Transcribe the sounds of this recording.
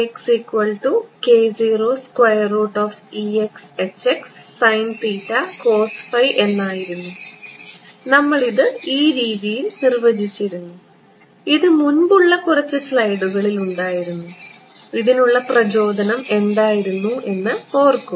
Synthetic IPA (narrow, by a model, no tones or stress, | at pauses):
eksikːwɐɭʈuke̞ːd͡ʑiːro̞ːskwɐjɐroːʈːoːfiekse̞t͡ɕːeksːɐjntiːtːɐko̞ːsfɐjʔe̞nːaːjiɾunːu | nɐmːɐɭiðɨiːɾiːðijilnirʋɐd͡ʑit͡ɕːiɾunːu | iðɨmunbuɭːɐkurɐt͡ɕːɨslɐjɽuɣɐɭiluɳɖaːjiɾunːu | iðinuɭːɐprɐd͡ʑo̞ːd̪ɐnɐme̞nd̪aːjiɾunːuʔe̞nːɨpo̞ːrkːu